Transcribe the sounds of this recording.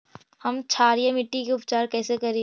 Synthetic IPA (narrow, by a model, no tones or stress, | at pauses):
hɐmt͡ʃʰaːɾijemɪʈːikeʊpt͡ʃaːɾkɛːsekɐɾẽː